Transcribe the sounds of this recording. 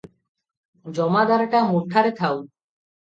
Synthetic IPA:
d͡ʑɔmad̪aɾaʈamuɾʈ̪ʰːaɾet̪ʰaw

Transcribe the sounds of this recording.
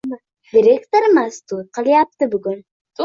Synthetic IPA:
d̪ʲiɾʲekt̪oɾmast̪ut̪̚qɑlʲijap̚t̪ɨbyɡyn

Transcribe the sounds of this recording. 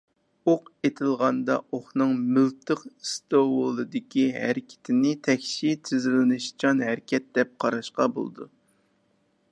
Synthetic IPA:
oqet̪ʰɪlˠʁɑnd̪ɑ̰oχnɨŋmylt̪ʰɨqst̪owlˠɨd̪ɪkʲʰiɦæ̰ɾɪkʲʰɪ̥t̪ʰɪnɪt̪ʰɛkʲʃit̪ʰɪzɪlɪnɨʃt͡ʃʰɑnɦæɾɪkʲʰɛt̪̚d̪ɛp̚qʰɑɾɑʃqɑbo̰lˠɨd̪u

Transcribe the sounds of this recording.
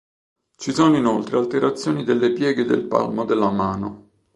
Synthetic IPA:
t͡ʃisɔːnoinolt̪ɾealt̪eɾat̪sːjoːnid̪elːepjɛːɡed̪ḛlpa̰lmod̪elːamaːno

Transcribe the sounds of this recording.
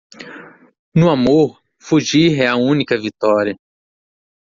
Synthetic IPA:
nʊamoɾ | fuʒiɦɛɐũnikɐvit̪ɔɾiɐ

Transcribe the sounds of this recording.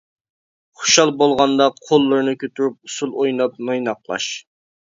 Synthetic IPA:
χo̥ʃɑlˠbolˠʁɑnd̪ɑqʰolˠːɨɾnɨkʲøt̪ʰyɾup̚usulˠojnɑp̚nojnɑqlˠɑ̰ʃ

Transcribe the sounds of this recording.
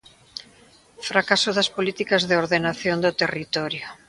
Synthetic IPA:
fɾakasʊðɐspolit̪ikɐzðeoɾðenaθjond̪ot̪erit̪ɔɾjo

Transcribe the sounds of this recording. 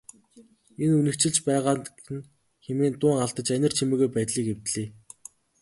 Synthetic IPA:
enunɘ̆kt͡ɕɪ̆ɮt͡ɕpæːʁaːn̆ | n | xemeːnt̪ʊːŋaɮt̪ə̆t͡ɕænʲə̆r̥t͡ɕʰimeːɣujpæt̪ɮiːkew̥t̪ɮiː

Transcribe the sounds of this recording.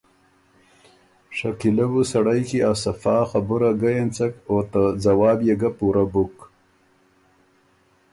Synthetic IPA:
ʂakilabusaɽajkiasafɑːxabuɾaɡajent͡sakot̪ad͡zawɑːbjeɡapuɾabuk

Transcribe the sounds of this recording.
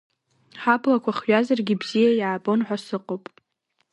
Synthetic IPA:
ħablakʷaχɥazarɡʲibzijajaːbʼo̞nħʷasɨqʼowpʼ

